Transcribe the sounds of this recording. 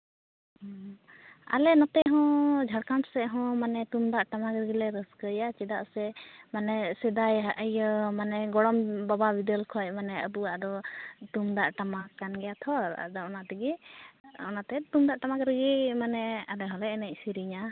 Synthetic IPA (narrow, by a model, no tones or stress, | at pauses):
ɔ | a̰lɛnɔt̪ɛʔɦɔ̃d͡ʒʱaɽkansɛɦɔ̃manɛt̪umd̪aʔʈamakɾəɡilɛɾəskəjat͡ʃɛd̪aʔsɛmanɛsɛd̪ajɦaʔəjəmanɛɡɔɽɔmbababid̪əlkʰɔj̚manɛəbuwaʔd̪ɔt̪umd̪aʔʈamakanɡɛjat̪ʰɔɾ̰d̪ɔʔɔnat̪ɛɡi | ɔ̰nat̪ɛt̪umd̪aʔʈamakɾəɡimanɛalɛɦɔlɛɛnɛc̚ˀsiɾiɲa